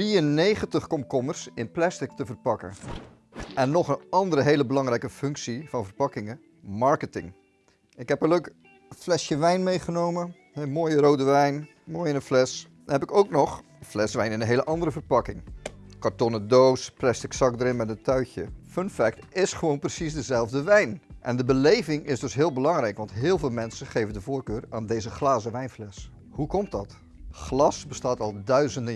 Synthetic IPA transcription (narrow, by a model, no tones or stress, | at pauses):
riənːejχəntəχkɔmkɔmərsɪnplɛstɪk̚təvərpɑkə̰ | ɛnːɔχənɑndəɾəɦeːləbəlɑŋrɛjkəfɵŋksivɑnvərpɑkɪŋə | mɑɹkətɪ̰ŋ | ɪkɦɛpəløɥk | flɛsjəʋɛjnmejχənowmə | ɛmoːjərowdəʋɛjn | moːjɪnəflɛs | hɛpɪkowknɔχ | flɛsʋɛjnɪnənɦejləʔɑndəɾəvərpɑkɪŋkaɹtɔnədowsplɛstɪksɑk̚dəɾɪnmɛtətœɥçjəfənfɛk̚tɪsχəʋownprəsisdəzɛlˠvdəʋɛjnʔɛndəbəlejvɪŋʔɪzdɵsɦɪːlˠbəlɑŋrɛjkʋɑntɦɪːlˠvɪːlˠmɛnsəχejvəndəvoːɹkøːraːndejzəχlaːzəʋɛjnflɛs | hukɔmt̚dɑt | χlɑsbəstaːtɑlˠdœɥzəndə